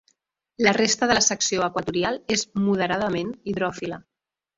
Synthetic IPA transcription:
lərest̪əðələsəksioəkwət̪uɾialˠezmuð̞əɾaðəmeniðɾɔfilə

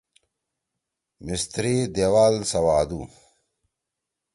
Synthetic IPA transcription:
mist̪ɾid̪ewaːlsɐwaːd̪u

